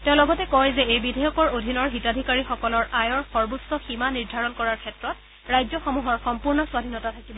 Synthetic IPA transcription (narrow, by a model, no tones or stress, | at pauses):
teʊ̃lɔɡɔtɛkɔjzɛejbidʱɛjɔkɔɹodʱinɔɹɦitadʱikaɹixɔkɔlɔɹajɔɹxɔɹbusɔximaniɹdʱaɹɔnkɔɹaɹkʰɛtɹɔt | ɹajzjɔxɔmuɦɔɹxɔmpuɹnɔswadʱinɔtatʰakibɔ